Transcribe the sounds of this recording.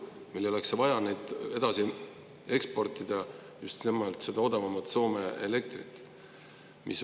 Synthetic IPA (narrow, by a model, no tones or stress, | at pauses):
milːeo̞le̞ksvɑjɑnejd̪̥e̞d̪̥ɑsi | e̞kspo̞rt̪ˑid̪̥ɑ | just̪nemːɑlt̪se̞d̪̥ɑo̞d̪ɑvɑmɑt̪so̞ːme̞ele̞k̚t̪rit̪ˑː | mis